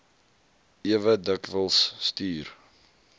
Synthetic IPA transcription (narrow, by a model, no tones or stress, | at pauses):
iəvədəkvəlˠsːtyːr